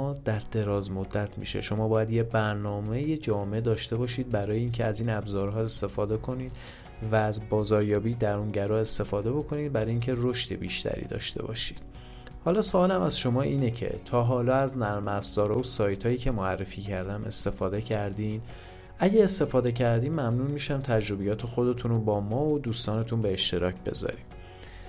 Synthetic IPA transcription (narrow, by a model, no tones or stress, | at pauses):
d̪̥æɾd̪e̞ɾɒːzmod̪ːæt̪ʰmḭʃe̞̰ʃo̞mɒːbɒːjæd̪jebæɾnɒːme̞jed͡ʒɒːmeed̪ɒːʃt̪e̞bɒːʃiːd̪̚bæɾɒːjeiːncʰe̞æziːnæbzɒːɾɦɒːe̞st̪e̞fɒːd̪e̞kʰo̞niːd̪̥ | væːzbɒːzɒːɾjɒːbiːd̪æɾunɟæɾɒːe̞st̪e̞fɒːd̪e̞bo̞kʰo̞niːd̪̚bæɾɒːjiːncʰe̞ro̞ʃt̪e̞̰biːʃt̪ʰæ̰ɾḭːd̪ɒ̰ːʃt̪e̞̰bɒ̰ːʃiːd̪̥ | hɒːlɒːsoɒːlæmæzʃo̞mɒːiːne̞cʰe̞̰t̪ʰɒːɦɒːlɒːæznæɾmæfz̥ɒːɾɒːosɒːjt̪ʰhɒːjiːcʰe̞moærːefiːcʰæɾd̪æme̞̰st̪e̞fɒːd̪e̞cʰæɾd̪iːn | ʔæɟæest̪e̞fɒːd̪e̞cʰæɾd̪iːmmːæmnunmiːʃæmt̪ʰæd͡ʒɾo̞bijɒːt̪ʰe̞xo̞d̪e̞t̪ʰunobɒːmɒːod̪uːst̪ɒːne̞t̪ʰunbeːʃt̪e̞ɾɒːcʰbe̞̰zɒ̰ɾḭm